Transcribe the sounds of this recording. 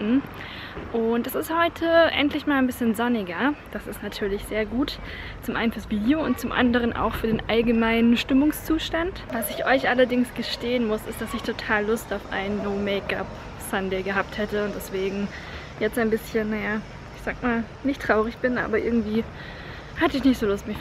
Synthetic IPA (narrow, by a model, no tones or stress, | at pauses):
m̩ | ʔʊntɛsɪsthɔʏtʰəʔɛ̰ntlɪçmaːlaɪnbɪsçənzɔnɪɡɐd̥asɪstnatʰyːɐlɪçz̥eːɐɡuːt | t͡sʊmʔaɪnfyːɐsb̥iːdjoʊnt̚t͡sʊmʔa̰ndəʁ̞ənʔa̰ʊxfyːɐdeːnʔalɡəmaɪnənʃtɪmʊŋst͡suːʃtantvasɪçʔɔʏçʔalɐdɪŋsɡ̥əʃteːənmʊsɪstd̥asɪçtʰotʰaːlːʊstaʊfʔa̰ɪnːoːmeɪka̰p | sandɛɪɡəɦap̚thɛtəʊntd̥ɛsv̥eːɡŋ̩ | jɛt͡staɪnbɪsçənnajaː | ɪçz̥aːkmaːl | nɪçtʁ̥aʊʁɪçb̥ɪnʔa̰ːbɐʔɪ̰ɐɡŋ̩tv̥iː | hatəɪçnɪçtz̥oːlʊstmɪç